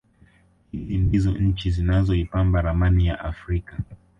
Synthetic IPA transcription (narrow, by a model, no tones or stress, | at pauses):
hizindizɔɲ̩t͡ʃizinazɔipambaɾamanijaʔafɾika